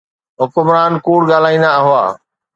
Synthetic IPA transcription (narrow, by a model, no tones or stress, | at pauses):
ɦʊkʊmɾaːnkuːɽɡaːl̤aːĩːnd̪aɐɦʊa̰ː